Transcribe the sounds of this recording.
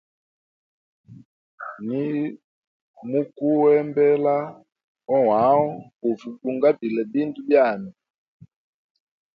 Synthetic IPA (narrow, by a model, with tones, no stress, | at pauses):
ni˦ | mu˦ku˦wɛ˦mbɛ˦la˦ | ɔ˦wa˨˦ɔ˦ku˨vu˨ku˨ŋɡa˦bi˨lɛ˨bi˦ndu˦bja˦˨ni˨